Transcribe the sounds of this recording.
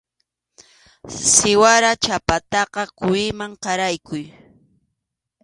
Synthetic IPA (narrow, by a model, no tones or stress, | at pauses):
sɪwaɾat͡ʃapat̪ɑqɑkʊɪmaŋqɑɾajkʊj